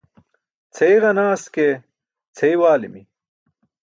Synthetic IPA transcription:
t͡sʰejʁɐnaːske | t͡sʰeiwaːlimi

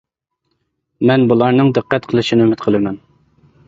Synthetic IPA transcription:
mɛnbulˠɑɾnɨŋd̪ɨqːɛt̪qʰəlˠɨʃinɪymɪt̪qʰəlˠɨmɛn

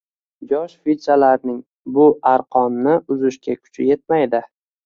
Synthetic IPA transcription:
jɒʃfit̪ɾalaɾnɪŋ | bʊaɾqʰɒnːɪʔʊzɪʃkʲakʰʊ̥t͡ʃʰɪje̞t̪̚majd̪ɪ

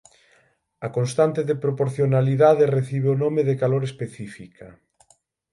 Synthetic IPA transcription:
akonst̪ant̪eðepɾopoɾθjonaliðaðereθiβ̞eonomeðekaloɾespeθifikʰa

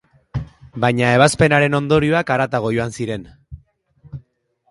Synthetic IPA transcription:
bajɲae̞β̞aspe̞naɾe̞no̞nd̪o̞ɾioakaɾat̪aɣ̞o̞ʝo̞ansiɾe̞n

